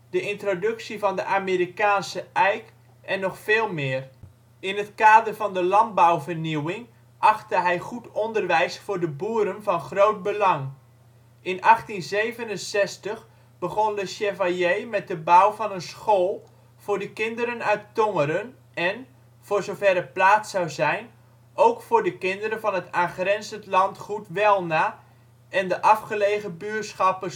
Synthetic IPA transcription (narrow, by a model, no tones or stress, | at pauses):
d̥əʔɪntrodɵksivɑndəʔaːmeɾikaːnsəʔɛjk | ʔɛnːɔxfeːlˠmɪːr | ɪnətkaːdərvɑndəlɑnt̚bawvərniwɪŋ | ʔɑxtəɦɛjχutʰɔndərʋɛjsfʊːdəbuːəɾənvɑnχrowt̚bəlɑŋ | ʔɪnɑχtinzejvənənsɛstəχ | b̥əχondəsɛvajejmɛt̚dəbawvɑnənsχoːlˠ | v̥ʊːɹdəkɪndəɾənœɥtoŋəɾən | ɛn | vʊːrzowvɛɾət̚plaːtsawzɛjn | owkfʊːrdəkɪndəɾənvɑnətaːχrɛnzətlɑntχutʋɛlˠnaː | ɛndəʔɑfχəlejχəbyəsχɑpə